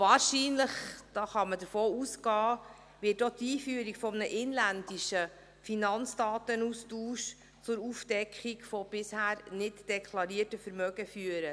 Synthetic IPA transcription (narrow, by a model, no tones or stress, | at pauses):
vɑːɾʃiːnləχd̥ɑːχɑmədəɾfoːusɡɑː | ʋɪːtotiːfyːɾikfɔmənəʔɪnlænd̥iʃə | finɑnt͡sd̥ɑːtənustuːʃ | t͡sʊɾufd̥ɛkχikfɔb̥ɪshæːɾnɪtd̥ɛkʰlɑɾiːətəfəɾmœɡəfyːəɾə